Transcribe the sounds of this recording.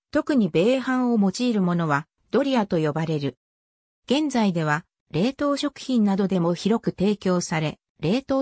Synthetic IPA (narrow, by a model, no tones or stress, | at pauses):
t̪o̞kɯ̟ɲ̟ibe̞ːhãɰ̃o̞mo̞t͡ɕiːɾɯ̟mo̞no̞β̞a | d̪̥o̞ɾʲiat̪o̞jo̞baɾe̞ɾɯ̟ | ɡ̥ẽ̞nd͡zaid̪e̞β̞a | ɾe̞ːt̪o̞ːɕo̞kɯ̟̥çĩnnːad̪o̞d̪e̞mo̞çiɾo̞kɯ̟t̪e̞ːkʲo̞ːsaɾe̞ | ɾe̞ːt̪o̞ː